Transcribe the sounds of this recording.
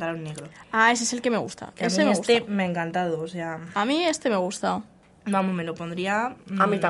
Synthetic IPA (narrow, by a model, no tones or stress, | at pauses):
t̪aɾaunːeɣɾoaes̬eselke̞me̞ɣṵst̪a̰aesemeesust̪emeaeŋkant̪aðoːseaamĩe̞st̪e̞meɣ̞ust̪a | bamomelopond̪ɾiaamit̪a